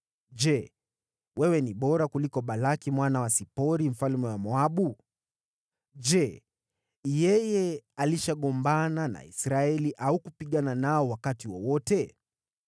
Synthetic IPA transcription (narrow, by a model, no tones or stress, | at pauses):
d͡ʒɛ | wɛwɛniɓɔɾakulikɔɓalakimwanawasipɔɾim̩falmɛwamɔaɓu | d͡ʒɛ | jɛjɛaliʃaɠɔmbanana̰ḭsɾaɛliʔaukupiɠananaɔwakatiwɔwɔtɛ